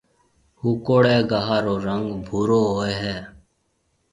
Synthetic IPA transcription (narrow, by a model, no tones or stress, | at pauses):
hukoɽeːɡaɦaɾoːɾəŋɡbʱuɾoːɦoːeɦɛː